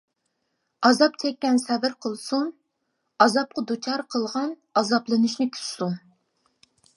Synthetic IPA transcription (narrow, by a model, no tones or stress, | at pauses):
ɑzɑp̚t͡ʃʰɛkʲːɛnsɛvɨɾqʰəlˠsun | ɑzɑp̚qɑd̪ut͡ʃʰɑɾqʰəlˠʁɑn | ɑzɑplˠɨnuʃnɪkʲʰy̥ssun